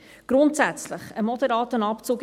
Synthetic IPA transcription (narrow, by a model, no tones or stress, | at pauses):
ɡ̥ɾʊntsæt͡slɪχəmɔd̪əɾɑːtənɑpt͡suːɡ